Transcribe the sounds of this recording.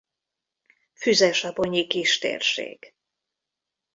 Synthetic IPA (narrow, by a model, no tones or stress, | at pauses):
fyzɛʃɒboɲikiʃt̪ḛːrʃḛːɡ